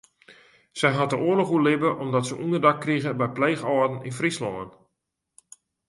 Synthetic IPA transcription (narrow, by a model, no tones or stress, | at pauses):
sɛjɦat̚dəʔʊərlɔχulɪbəʔɔmdɔtsəʔundərdakːriɣəbɛjpleːɣɔːdn̩ḭnfrislɔ̰nən